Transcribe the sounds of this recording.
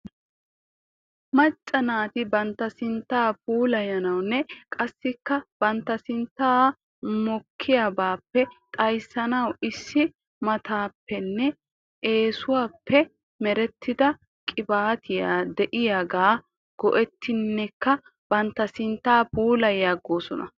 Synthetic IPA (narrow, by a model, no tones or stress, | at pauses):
mɐt͡ʃʼːɐnaːt̪ɪbɐnt̪ːɐsɪnt̪ːaːpuːlɐjɐnɐwnːɛkʼɐsːɪkːɐb̥ɐnt̪ːɐsɪnt̪ːaː | mɔkʰːɪjaːbaːpːɛt̪ʼɐjsɐnɐwɪsːɪ | mɐt̪ʰaːpːɛnːɛ | ʔe̞ːsʊwaːpʰːɛ | mɛɾɛt̪ʰːɪd̪ɐ | kʼɪbaːt̪ʰɪja̰d̪ɛʔɪjaːɡaː | ɡ̥ɔʔɛt̪ːɪnːɛkːɐ | b̥ɐnt̪ːɐsɪnt̪ːaːpuːlɐjaːɡːo̞ːsɔnɐ̰